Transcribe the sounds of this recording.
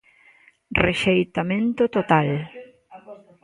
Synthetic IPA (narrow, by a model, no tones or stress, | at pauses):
reʃejt̪amẽnt̪ot̪ot̪al